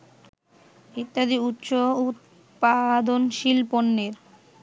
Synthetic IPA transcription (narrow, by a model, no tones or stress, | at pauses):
it̪ːad̪iut̪ːɕout̪̚ | pad̪onʃilponːeɾ